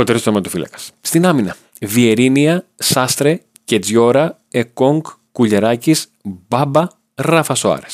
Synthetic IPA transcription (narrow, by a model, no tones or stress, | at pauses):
o̞t̪eɾist̪omɐt̪ufilɐ̰kɐ̥sst̪inɐminɐ | vie̞ɾiniɐsɐst̪ɾe̞ | ce̞d͡zʝo̞ɾɐ | ekoŋɡkːuʎeɾɐcisbɐbɐ | rɐfɐsoɐ̰ɾes